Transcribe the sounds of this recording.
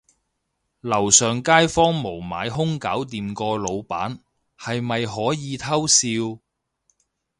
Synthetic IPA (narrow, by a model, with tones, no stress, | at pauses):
lɐ˨˩wsœː˨ŋkaː˥jfɔː˥ŋmo˨˩wma̰ː˨˧jɦʊ˥ŋkaː˨˥wt̪̬iː˨mkɔː˧lo˨˧wpa̰ː˨˥n | hɐ˨jmɐ˨jhɔː˨˥jiː˨˧t̪ʰɐ˥wsiː˧w